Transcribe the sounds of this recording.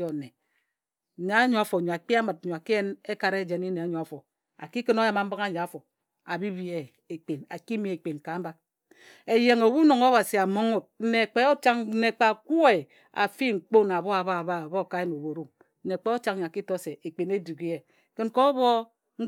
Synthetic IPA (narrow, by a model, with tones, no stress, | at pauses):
o˨ne˨ | ɲa˨˦ɲo˨a˨fo˨ɲo˨a˨k͡pi˦a˦mɨ˨t̚ɲo˨a˨ki˦je˦ne˦ka˨ɾe˦d͡ʒe˨ni˦ne˨a˨˦ɲo˨a˨fo˨ | a̰˨ki˦kɨ˦no˦ja˨ma˨m̩˦ba˦ŋa˦ɲa˨a˨˦fo˨ | a˨bi˦bi˨e˨ | e˨k͡pe˨na˨ki˦mi˨e˨k͡pe˨n˨ka˨˦ba˦ | e˨je˨ŋo˨wu˦no˨ŋo˦βa˨si˨a˨mo˦ŋo˨t̚n̩˦ne˨k͡pe˦o˦t͡ʃa˦ŋ̩˦ne˨k͡pa˨ku˦e˨ | a̰˨fi˦ŋ̩˨k͡po˦na˨βɔ˦a˨βa˦˨βa˦˨βɔ˦˨ka˦je˦no˨bo˨ɾu˦ | e˨k͡pe˦o˦t͡ʃa˦ŋ˨ɲ˨ki˦to˦se˨e˨k͡pe˨ne˦du˨ɡi˦e˨ | kɨ˦nkɔ˦βɔ˦ | ŋ̩˦